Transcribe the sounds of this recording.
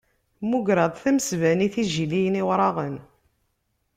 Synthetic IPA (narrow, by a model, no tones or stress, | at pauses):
muɡɾɑðˤθæmsvæniθiʒilijəniwɾˤɑʁən